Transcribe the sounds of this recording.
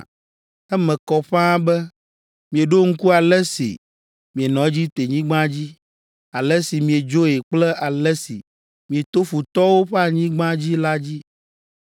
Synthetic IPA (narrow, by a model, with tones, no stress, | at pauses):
ɛ˦mɛ̃˨kɔ˨ɸã˦bɛ˦ | mĩ˨e˨ɖo˦ŋ̩˦ku˦a˨lɛ˦sḭ˨ | mĩ˨e˨nɔ̃˨˦d͡ʑi˦t̪e˨ɲĩ˦ɡ͡bã˦d͡ʑi˦ | a˨lɛ˦si˨mĩ˨e˨d͡ʒo˦e˨k͡plɛ˦ʔa˨lɛ˦sḭ˨ | mĩ˨e˨t̪o˦ɸu˨t̪ɔ˦wo˦ɸɛ˦a˨ɲĩ˦ɡ͡bã˦d͡ʑi˦la˦d͡ʑi˦